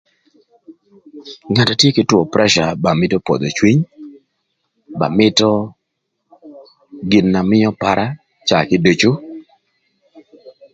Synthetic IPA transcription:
ŋa˨ta˨tje˦kɪ˦twɔ˨pɾɛ˦ʃa˨ba˨mɪ˦tɔ˦pɔ̰˨d̪ɔ˨t͡ʃwi˦ɲ | ba̰˨mɪ˦tɔ˦ | ɡɪ˨nːa˨mɪ˦jɔ˦pa˨ɾʔa˦ | t͡ʃa˨kɪ˦do˨t͡ʃo˦

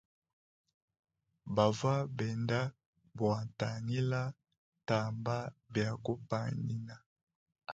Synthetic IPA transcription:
ba˨va˦bɛ˨nda˦ | bwa˨ta˨ni˦la˦ | ta˨mba˦bja˨ku˦pa˨ni˦na˨

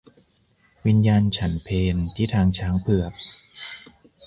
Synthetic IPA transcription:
wi˧njaː˧nt͡ɕʰa˦npʰeː˧nt̪ʰiː˥˩t̪ʰaː˧ŋt͡ɕʰaː˦˥ŋpʰɯ˧˩ək̚

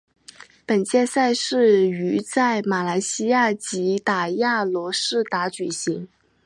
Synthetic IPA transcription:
pə˨˩nt͡ɕjɛ˥˧nsa˥˧ɪʂɻ̩˥˩y˧˥t͡sa˥˩ɪma˨˩la˧˥ɪɕi˥ja˥˩t͡ɕi˧˥t̪a˨˩ja˥˩lwɔ˧˥ʂɻ̩˥˩t̪a˧˥t͡ɕy˨˩ɕi˧˥ŋ

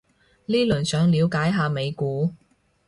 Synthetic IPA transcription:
liː˥lɵ˨˩nsœː˨˧ŋliː˨˧wkaː˨˥jɦaː˨˧me˨˧jkuː˨˥

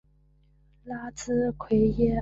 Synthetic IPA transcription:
la˥t͡sɹ̩˥kʰwe˧˥ɪjɛ˥

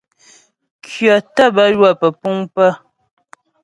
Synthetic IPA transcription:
kʰɥɔ˨tə˦˨bə˦jwa˦˨pə˨pu˦ŋpə˦

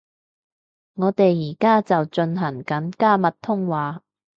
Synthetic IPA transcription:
ŋɔː˨˧t̪e˨jːiː˨˩kaː˥t͡sɐ˨wt͡ʃɵ˧nɦɐ˨˩ŋkɐ˨˥nkaː˥˩mɐ˨t̚t̪ʰːʊ˥ŋwaː˨˧

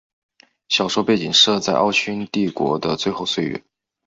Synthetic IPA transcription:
ɕjɑ˨˩ʊʂwɔ˥pe˥˩ɪt͡ɕi˨˩ŋʂɤ˥˧t͡sa˥˧ɪʔɑ˥˧ʊt͡ɕʰy˥nt̪i˥˩kwɔ̰˧˥d̪ə˧t͡swe˥˧ɪxo˥˧ʊswe˥˩ɪɥɛ̰˧˥˦n

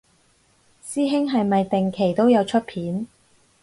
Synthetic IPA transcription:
siː˥ɦɪ˥ŋɦɐ˨jmɐ˨jt̪ɪ˨ŋkʰe˨˩jt̪o˥wjɐ˨˧wt͡ʃʰɵ˥t̚pʰiː˨˥n

